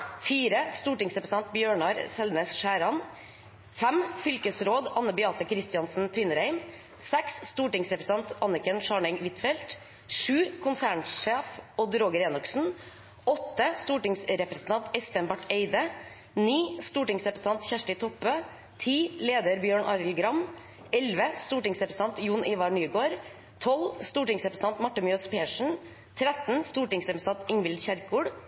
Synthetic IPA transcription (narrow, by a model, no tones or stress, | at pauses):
fiːɾəst̪uːʈɪŋsɾɛpɾst̪ɑnt̪̚bjøːɳɑɾsɛlneːsʃæːɾɑn | fæmfʏlkəsɾoːd̪ɑnːəbʏɑːt̪əkʰɾɪst̪ɪɑnsn̩t̪ʰʋɪnəɾæɪm | sɛksːt̪uːʈɪŋsɾɛpɾəs̩ɑnt̪ɑnɪkənʃɑːɳɛŋʋɪt̪fɛlt̪ | ʂʉːkʰʊnsæːɳʂeːfoːd̪ɾoːɡəɾeːnʉksn̩ | ɔt̪ːəst̪uːʈɪŋsɾɛpɾəsn̩ʰɑnt̪ɛsfɛnbɑʈeɪd̪ə | niːst̪uːʈɪŋsɾɛpɾəs̩ɑnt̪çæʂʈɪt̪ʰɔpøː | t̪ʰiːleːd̪əɾbjøːɳʔɑɾl̩ɡɾɑm | ɛlʋəst̪uːʈɪŋsɾɛpɾsn̩ɑnt̪juːnʔiːʋɑɳyːɡoːɾ | t̪ʰɔlst̪uːʈɪŋsɛpɾəsn̩ɑnt̪mɑʈːəmʏøspeːʂɳ̩ | t̪ʰɾɛt̪n̩st̪uːʈɪŋsɾɛpɾəst̪ɑnt̪ɪŋʋɪld̪çæɾkuːɖ